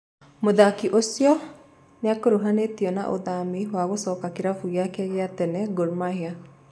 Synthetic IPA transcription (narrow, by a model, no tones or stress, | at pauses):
mod̪akiʔosjɔ | neakoɾuɦanet̪iɔna̰ʔo̰d̪amiɦwaɣosɔkakiɾafuɣjakɛɣɛat̪ɛnɛɡoɾmaɦia